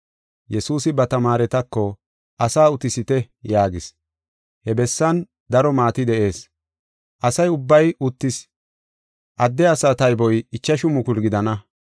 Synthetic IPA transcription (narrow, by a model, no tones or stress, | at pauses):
jɛsuːsɪbɐt̪ɐmaːɾɛt̪ɐkːɔ | ʔɐsaːʊt̪ɪsɪt̪ɛ | jaːɡɪs | hɛbɛsːɐn | d̪ɐɾɔmaːt̪ɪd̪ɛʔe̞ːs | ʔɐsɐjʊbːɐjʊt̪ːɪs | ʔɐd̪ːɛɐsat̪ɐjbɔjɪt͡ʃːɐʃʊmʊkʊlɡɪd̪ɐnɐ